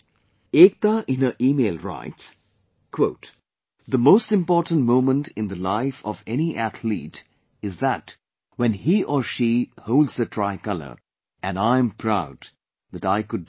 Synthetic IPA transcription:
ek̚t̪aʔɪ̃nəʔiːmeɪlˠɹa̰ɪts | kʰwoʊt | d̪əmoʊstɪ̃mpɔːtn̩t̚mõʊ̃mə̃ntʰɪ̃nd̪əlaɪfɔvɛniʔæt̪ʰlḭt | ɪzðæt | wɛ̃nhiʔɔɹʃihoʊlˠdzðətʰɹaɪkʌlə̰˞ | ɨ̃nãɪɨ̃mpʰɹaʊd̪ | ðɨtaɪkʊd

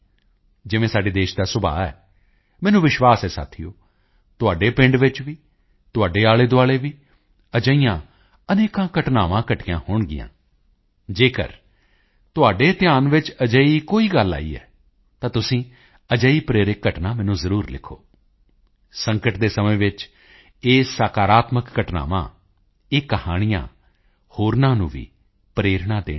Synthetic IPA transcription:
d͡ʒɪʋẽːsaːɖeːd̪eːʃd̪aːsʊba̰ːɛ̰ː | mɛːnũːʋɪʃʋaːsɛːsa̰ːt̪ʰɪjo̰ː | t̪ʊaːɖeːpɪ̃ɳɖʋɪt͡ʃʋiː | t̪ʊaːɖeːaːɭeːd̪ʊaːɭeːʋiː | əd͡ʒəijãː | əneːkãːkəʈnaːʋãːkəʈɪjãːhʊɳɡɪ̰jã̰ː | d͡ʒeːkə̰ɾ | t̪ʊaːɖeːt̪ɪjaːnʋɪt͡ʃəd͡ʒəiːkoːiːɡəlːa̰ːḭːɛ̰ː | t̪ãːt̪ʊsĩː | əd͡ʒəiːpɾeːɾɪkːəʈnaːmɛːnũːzəɾuːɾlɪ̰kʰo̰ː | səŋkəʈd̪eːsəmẽːʋɪt͡ʃ | eːsaːkaːɾaːt̪məkːəʈna̰ːʋã̰ː | eːkəhaːɽ̃ɪjã̰ː | hoːɾnãːnũːʋḭː | pɾeːɾɳãːd̪ḛː

